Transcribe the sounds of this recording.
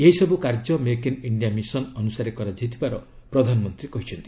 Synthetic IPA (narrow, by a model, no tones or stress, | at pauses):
eɦisɔbukaɾd͡ʒɔmekiniɳɖijamisɔnɔnusaɾekɔɾad͡ʒit̪ʰibaɾɔ | pɾɔd̪ʱanɔmɔnt̪ɾikɔɦit͡ʃʰɔnt̪i̥